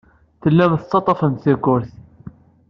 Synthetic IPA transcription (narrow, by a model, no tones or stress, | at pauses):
θəlːæmθt̪ˤːɑt̪ˤɑfənθiɡʊɾθ